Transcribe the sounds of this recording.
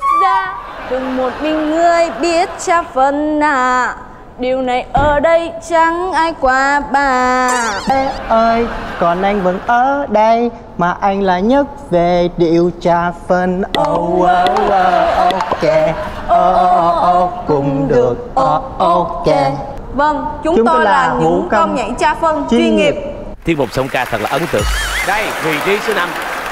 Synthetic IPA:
zaː˧˦ɗɨ˨˩ŋmo˨˩t̚mï˧ŋːɨ˨˩əjɓi˦˥ət̚t͡ɕaː˧fə˧nlaː˨˩ | ɗi˨˩əwna˨˩jʔəː˨˩ɗə˧jt͡ɕa˨˧˦ŋʔaː˧jkwaː˨˦ɓaː˧˩˦ | ʔəː˧jkɔ˨˩nʔa˧jŋ̟və˧˦nʔəː˧˦ɗə˧j | maː˨˩ʔa˧jŋ̟laː˨˩ɲə˦˥t̚ve˨˩ɗḭ˧˨əwt͡ɕaː˧˩fə˧nʔə˧˩wwə˨˧˦ə˧ʔo˧kɛ˧˩ʔəː˧ʔo˧kʊ˨˧˨ŋ͡mɗɨɨ˨˩ək̚ʔɔ˧ʔo˧kɛ˧˩ | və˧ŋt͡ɕʊ˨˦ŋ͡mt͡ɕʊ˨˦ŋ͡mt̪ːo˧jlaaː˨˩mṵ˧˨˧kə˧ŋ͡mɲa̰˧˨ŋt͡ɕaː˧fə˧nt͡ɕi˧i˧ŋi˨˩p̚ | t̪ʰi˦˥t̚mo˨˩k͡p̚sə˧wŋ͡mkaː˧t̪ʰə˨˩laː˨˩ʔə˨˦nt̪ɨ̰˧˨əŋɗə˧jvi˨˩ɗi˧sə˨˦na˧m

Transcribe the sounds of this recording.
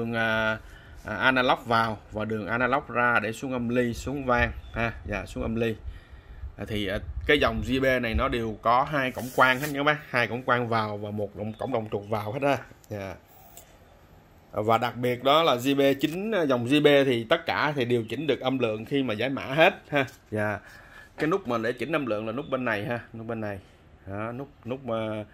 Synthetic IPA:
ɗɨ˨˩əŋʔəː˨˩ | ʔʔaː˧naː˧la˦˥wk͡p̚vaː˨˩wvaː˨˩ɗɨ˨˩əŋʔaː˧naː˧la˦˥wk͡p̚zaː˧ɗe˧˩su˨˦əŋʔə˧mli˧su˨˦əŋvaː˧ŋhaː˧za̰ː˧˨˩su˨˦ŋʔə˧mli˧˨˩ | t̪ʰi˨˩ʔːkaː˨˦jza˨˩wŋ͡mzi˧ɓe˧na˨˩jnɔ˨˦ɗe˨˩əwkɔ˨˦ɦaː˧jkə̰˧˩wŋ͡mkwaː˧ŋhə˨˦˥t̚ɲa˧˦ma˦haː˧jkə̰˧˩wŋ͡mkwaː˧ŋvaː˨˩wvaː˨˩mo˨˩t̚ŋ͡mkə̰˧˩˨wŋ͡mɗə˨˩wŋ͡mt͡ɕu˨˩ət̚vaː˨˩whe˦˥t̚zaː˧zaː˨˩ | vaː˨˩ɗa˨˩k̚ɓi˨˩ət̚ɗɔ˨˦laː˨˩zi˧ɓe˧t͡ɕï˨˦ŋ̟˧zɔ˨˩wŋ͡mzi˧ɓe˧t̪ʰi˨˩t̪ə˦˥t̚kaː˧˩t̪ʰi˨˩ɗe˨˩əwt͡ɕï˨˦ŋ̟ɗɨ˨˩ək̚ʔə˧mlɨ̰˧˨əŋxi˧maː˨˩zaː˨˦jma̰ː˧˥ɦe˦˥t̚haː˧ | zaː˨˩kaː˨˦jnʊ˦˥k͡p̚maː˨˩ɗḛ˧˩t͡ɕï˨˦ŋ̟ʔə˧mlɨ̰˧˨əŋlaː˨˩nʊ˦˥k͡p̚ɓe˧nːa˨˩jhaː˧nʊ˦˥k͡p̚ɓe˧nːa˨˩j | ʔa˨˦nʊ˦˥k͡p̚nʊ˦˥k͡p̚ː

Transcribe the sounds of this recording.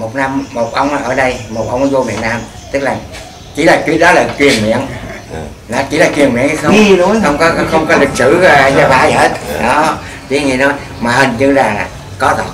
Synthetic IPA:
mo˨˩t̚na˧mːo˨˩t̚ʔə˧wŋ͡mʔa˨˧˩ʔəː˧˩ɗə˧jmo˨˩t̚ʔə˧wŋ͡mzo˧mḭ˧˨ənaː˧m | t̪ɨ˦˥k̚laː˨˩ | t͡ɕḭ˨˧˩laː˨˩kwi˦˥t̚ɗɔ˨˦laː˨˩t͡ɕwi˨˩ənmḭ˧˨əŋ | nɔ˨˦t͡ɕi˧˩˦laː˨˩kwi˨˩ənmwḭ˧˨əŋhi˧xə˧wxə˧wŋ͡mkɔ˨˦xə˧wŋ͡mkɔ˨˦li˨˩k̚sɨ˧˩˨zɔ˨˧˦ɓaː˨˦i˨˩he˦˥t̚ɗɔ˨˦ | ki˨˦ŋi˨˩nɔ˨˦ | maː˨˩ɦi˨˩ŋɲɨ˧laː˨˩ | kɔ˨˦t̪ɔ˨˩

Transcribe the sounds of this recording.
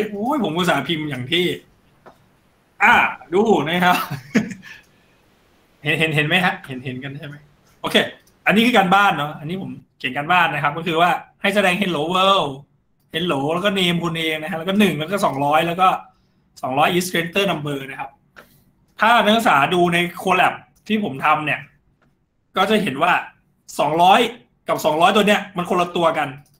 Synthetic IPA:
jpʰo˩˦mʔuː˧˩saː˩˦pʰi˧mjaː˨˩ŋt̪ʰiː˥˩ | ʔaː˧˩duː˧˩na˦˥˩kʰa˦˥p̚ | he˨˩˦nɦe˩˦nɦe˨˩˦nma˦˥jɦa˦˥ʔhe˩˦nɦe˨˩˦nka˧nt͡ɕʰa˥˩jma˦˥j | ʔoː˧kʰeː˧ | ʔa˧nːiː˦˥kʰɯː˧kaː˧nbaː˥˩nːɔ˦ʔa˧nːiː˦˥pʰo˩˦mkʰe˩˦nkaː˧nbaː˥˩nːa˦˥kʰa˦˥p̚kɔ˥˩kʰɯː˧waː˥˩ha˥˩jsa˧dɛː˧ŋɦe˨˩˦nloː˩˦wɤː˧˥˩w | he˨˦nloː˩˦lɛː˧˦˥wkɔː˥˩neː˧mkʰu˧nʔeː˧ŋna˦˥a˦˥lɛː˦˥kɔ˥˩nɯ˨˩ŋla˦˥kɔː˥˩sɔː˩˦ŋɾɔː˦˥jlɛː˦˥wkɔː˥˩ | sɔː˩˦ŋɾɔː˦˥jʔiː˦˥skʰɾeː˦nt̪ɤː˥˩na˧mbɤː˧na˦˥kʰa˦˥p̚ | t̪ʰaː˥˩na˦˥˨saː˩˦duː˧na˧jkʰoː˧lɛ˨˩p̚ | t̪ʰiː˥˩pʰo˨˩˦mt̪ʰa˧mni˥˩ɐ | kɔː˥˩t͡ɕa˨˩ɦe˩˦nwaː˥˩ | sɔː˩˦ŋɾɔː˦˥j | ka˨˩p̚sɔː˩˦ŋɾɔː˦˥jt̪u˧ni˦˥ɐma˧nkʰo˧nla˧t̪u˧ɐka˧n

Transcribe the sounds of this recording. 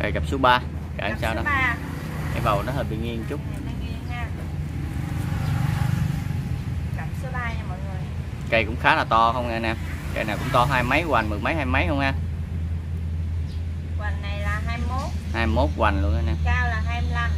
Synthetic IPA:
ə̰˨˩ɣa˨˩p̚su˨˦əɓaː˧ | ka̰ː˧˩ʔsaː˧wnɔ˨˦˧ | ka˧jva˨˩wnɔ˨˦həː˧˩ɓḭ˧˨˩ŋi˧əŋt͡ɕʊ˦˥k͡p̚ŋi˧haː˦˧˥ | ka˨˩p̚sɨ˧laː˧jɲa˧mɔ˨˩ŋɨ˨˩əj | kə˧jkʊ̰˧˥ŋ͡mxaː˨˦laː˨˩t̪ɔ˧xə˧wŋ͡maː˧naɛː˧m | kə˧jnaː˨˩wkʊ̰˧˥ŋ͡mt̪ɔ˧ɦaː˧jma˨˦jkwa˨˩ŋ̟m˨˩ma˨˦jhaː˧jma˨˦jhə˧wŋ͡mhaː˧ | kwa˨˩ŋːa˨˩jlaː˨˩ɦaː˧jmo˦˥t̚haː˧jmo˦˥t̚kwa˨˩n̟lu˧ənŋa˧˦nɛː˧mkaː˧wlaː˨˩ɦaː˧jmi˧la˧˩m

